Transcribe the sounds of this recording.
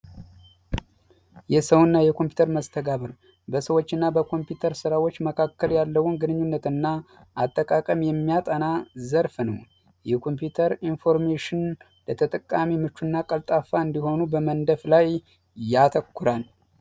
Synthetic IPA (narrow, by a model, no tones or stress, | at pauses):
jɛsəwɨnːajɛkʰo̞mpju̥t̪ʰəɾməst̪ʰəɡaβəɾ | bəsəwot͡ʃːɨnːabəkʰo̞mpjut̪ʰəɾsɨɾawo̞t͡ʃːməkʰakːəljalːəwunɡɨnɨɲːunːət̪ɨnːa | ʔat̪ʼːəkʼakʼəmjɛmːijat̪ʼanazəɾfnə̰w | jɛkʰo̞mpjut̪ʰəɾinfo̞ɾmeʃɪn | lət̪ʰət̪ʼəkʼːamimɨt͡ʃːunːakʼəlt̪ʼafaɨnd̪iho̞nubəmənd̪əflaj | jat̪ʰəkːuɾal